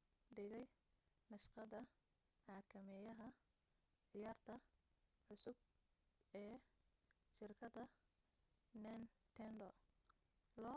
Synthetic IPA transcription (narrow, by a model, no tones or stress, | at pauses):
ɖɪɣɛj | nɐʃqɑðɐ | ʕɑːkʰɐmɛjɐɦɐ | ʕɪjaːrt̪ʰɐʕʊsʊb̚ | ɛː | ʃɪrkʰɐdɐ | nɛnt̪ʰɛndɔ | lɔː